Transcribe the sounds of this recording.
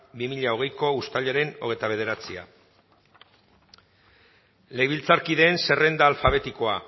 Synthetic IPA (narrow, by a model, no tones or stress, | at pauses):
bimiʎao̞ɣe̞jko̞ust̪aʎeɾe̞no̞ɣet̪aβ̞e̞ðe̞ɾat͡sia̰ | le̞jβilt͡saɾkiðe̞ːnse̞re̞nd̪aːlfaβ̞e̞t̪iko̞a